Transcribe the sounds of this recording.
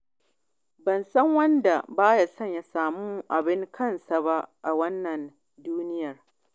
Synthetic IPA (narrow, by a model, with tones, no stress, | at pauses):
bɐ˨nsɐ˦ŋwɐ˦nda˨baː˦ja˨sɐ˦˨ɲja˦saː˨mu˦m˦˨ʔa˨bɪ˦ŋkʰɐ˦˨nsa˨ba˦ʔa˨wɐ˦nːɐ˨n | duː˦nɪ˦jɐ˨r